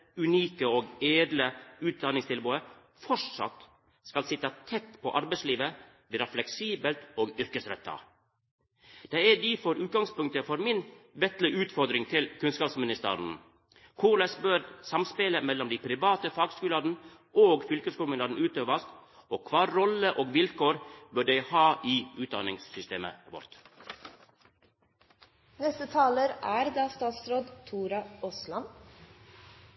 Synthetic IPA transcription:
ʉniːkəoːɡeːd̪ləʉːt̪̚d̪ɑnɪŋst̪ɪlbuːə | fɔʂɑ̰t̪ː | skɑlsɪt̪ːɑt̪ʰɛt̪ːpʰɔʔɑɾbɛɪsliːʋə | ʋɪːɾɑflɛksiːbəlt̪oːɡʏɾkəsɾɛ̰t̪ʰːɑ̰ | d̪̥ɛæd̪ifɔɾʉːt̪̚ɡɑŋspʉŋk̚t̪əfɔɾmɪnʋɛt̪lɪʔʉːt̪fɔɾd̪ɾɪŋt̪ʰɪlkʰʉnskɑːpsmɪnɪst̪ə̰ɾn̩ | kʰuːɾləsbøːɾsɑmspɪləmɛlːɔmd̪iɪpʰɾɪʋɑːt̪əfɑːɡskʉːlɑːd̪n̩ | oːɡfʏlkəskuːlmənɑːd̪n̩ʉːt̪øːʋəst̪oːkʰʋɑːɾɔləʔoːɡʋɪlkʰoːɾbøːɖæɪhɑːʔiʉːt̪d̪ɑ̰nɪŋssʏst̪eːmə̰ʋɔ̰ɾt̪ | nɛst̪ət̪ʰɑːləɾæːɾd̪ɑːst̪ɑːt̪sɾoːd̪t̪ʰuːɾɑʔɔslɑn

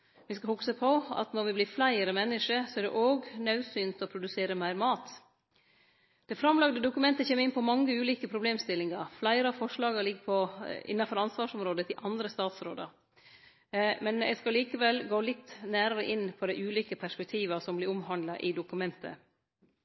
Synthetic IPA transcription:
ʋɪskɑhʊksəpʰɔɑ̰t̪nɔɾʋɪblɪːflæɪəɾəmɛnːəʂəsɔæɖ̪ɛ̰ʔoːɡnɑʉsyːnt̪ɔpʰɾʊd̪ʉseːɾəmæɪɾmɑːt̪ | d̪̥ɛfɾɑmlɑɡd̪əd̪ʊkʉmɛnt̪əçeːməɾɪnpʰɔmɑŋːəʉːliːkəpʰɾʊbleːmst̪ɪlːɪŋɑɾflæɪɾəɑfɔʂɭɑːɡɑlɪɡːəpʰɔɪ̰nːɑfɔɾɑnsʋɑːʂɔmɾoːd̪ət̪ʰɪlʔɑnd̪ɾəst̪ɑːt̪sɾo̰ːd̪ɑ̰ɾ | mɛnɛ̰ɡskɑliːkəʋɛlɡoːlɪt̪ːnæːɾəɾə̰ʔɪnːpʰɔd̪æɪʔʉːliːkəpʰæʂpɛk̚t̪ʰiːʋɑsɔmblɪɾʊmɦɑnd̪lɑʔɪd̪ʊkʉmɛnt̪ʰə̰

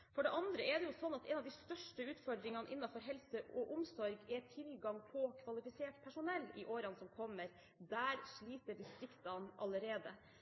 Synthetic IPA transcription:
fɔɖɛʔɑnd̪ɾəɛɖɛjʊsɔnːɑt̪ɛnɑʋd̪ɪst̪œʂʈəʉːt̪fɔɖɾɪŋɑnəʔɪnːɑfɔɾɦɛlsəɔʔʊmsɔɾɡɛʈ̪ʰɪlɡɑŋpʰɔkʰʋɑlɪfɪseːʈpʰæʂʊnɛlːɪʔoːɾənsɔmkʰɔmːəɾ | d̪æːɾʂɭiːt̪əɖɪst̪ɾɪkt̪ɑnʔɑləɾeːd̪ə

